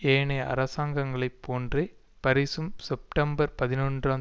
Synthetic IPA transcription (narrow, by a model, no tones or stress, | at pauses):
eːɳɐʔɐ̰ɾɐsaːŋɡɐŋɡɐɭɐɪpʰːoːndre | pɐɾɪsɯmsɛp̚ʈɐmbɐɾpɐðɪnonraː